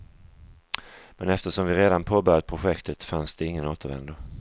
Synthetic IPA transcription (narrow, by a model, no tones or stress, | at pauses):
mɛnɛft̪əʂɔmvɪɾeːd̪anpʰoːbœɾjad̪̚pʰɾʊɧɛkt̪ʰət̪fansd̪ɛɪŋːənoːt̪əɾvɛ̰nd̪ʊ